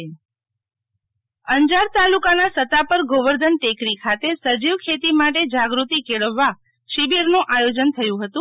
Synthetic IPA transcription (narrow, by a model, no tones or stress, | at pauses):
əɲd͡ʒaɾt̪alukanasət̪apəɾɡʱoʋəɾd̪ʱənʈekɾikʰat̪esəd͡ʒiʋkʰet̪imaʈ̬ed͡ʒaɡɾut̪ikeɭəʋːa | ʃibiɾnũʔajod͡ʒənt̪ʰəjũɦət̪ũ